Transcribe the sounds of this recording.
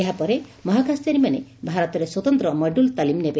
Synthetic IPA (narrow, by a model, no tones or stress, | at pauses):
eɦapɔɾemɔɦakʰast̪jaɾimanḛbʱaɾɔt̪ɔɾeswɔt̪ɔnt̪ɾɔmɔɖult̪alimnebe